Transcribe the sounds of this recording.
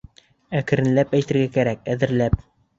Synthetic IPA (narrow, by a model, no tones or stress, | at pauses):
ækɘ̆ɾɘ̆nlæpæjt̪ɘ̆ɾɡækæɾæk̚æðɘ̆ɾlæp̚